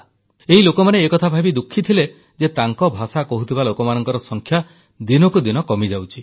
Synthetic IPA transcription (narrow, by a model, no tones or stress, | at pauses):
eɦilokɔmaneːkɔt̪ʰabʱabid̪ukʰːit̪ʰile | d͡ʒet̪aŋkɔbʱasakɔɦut̪ʰibalokɔmanɔŋkɔɾɔsɔŋkʰja | d̪inɔkud̪inɔkɔmid͡ʒawt͡ʃʰi